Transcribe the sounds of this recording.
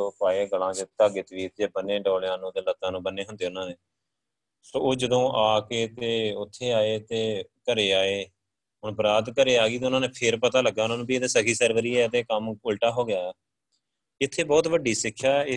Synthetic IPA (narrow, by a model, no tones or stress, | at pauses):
oːpaːeːɡəlãːt͡ʃət̪əɡeːt̪ʋiːt̪d͡ʒeːbənːeːɖɔːljãːnũːd̪eːlət̪ːãːnũːbənːeːɦə̃nd̪eːʊnãːneː | soːoːd͡ʒəd̪õːʔaːkeːt̪eːʊt̪ʰːeːaːeːt̪eːkəɾeːaːeː | ɦʊɳbəɾaːd̪kəɾeːaːɡiːt̪̬eːʊnãːneːpʰɪɾpət̪aːləɡːaːnãːnũːbieːd̪eːsəkʰiːsəɾʋəɾiːɛːt̪eːkəmʊlʈaːɦoːɡɪjaː | ɪt̪ʰːeːbɔːt̪ʋəɖiːsɪkʰːaː